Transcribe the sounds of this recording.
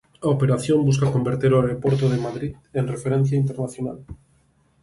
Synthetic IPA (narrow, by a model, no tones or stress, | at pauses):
aopeɾaθjombus̬kakombeɾt̪eɾoaɾepoɾt̪oðemaðɾit̪ | enrefeɾẽn̟θjaint̪eɾnaθjona̰l